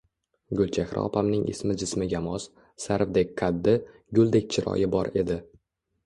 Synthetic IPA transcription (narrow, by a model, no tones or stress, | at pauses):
ɡʊlt͡ʃʰahɾʔɒ̰pʰamnɪŋʔɪ̰smɪd͡ʒɪsmɪɡʲamɒs | saɾvd̪ekʲkʰad̪ːɪ | ɡʲʊlˠd̪ek̚ʲt͡ʃʰɪɾɒ̰jɪbɒɾe̞d̪ɪ